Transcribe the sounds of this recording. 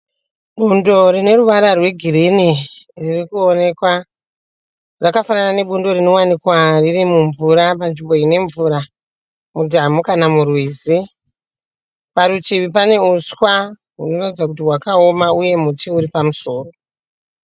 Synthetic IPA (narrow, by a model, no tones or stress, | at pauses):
ɓundo̞rine̞ruʋaɾarwe̞ɡʱiriniririkuone̞kwa | rakafananane̞ɓundo̞rino̞wanikwaririmuɱvuɾapand͡ʒimbo̞ine̞ɱvuɾa | mudʱamukanamurwiːzi | paɾutiʋipane̞uskwa | ɦuno̞ratid͡zakutiwakao̞mauje̞mutiuɾipamuso̞ːro